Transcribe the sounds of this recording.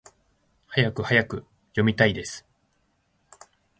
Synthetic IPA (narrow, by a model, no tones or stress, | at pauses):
hajakɯ̟hajakɯ̟ | jo̞mʲit̪aid̪e̞sɨ̥